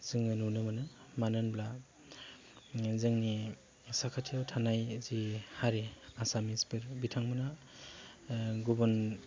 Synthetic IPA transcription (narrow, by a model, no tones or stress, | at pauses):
z̥ɯŋɯnunɯmɯnɯmanɯnbla | zɯŋni | sakʰatʰiawtʰanajzihaɾeasamispɯɾbitʰaŋmɯna | ɡubɔn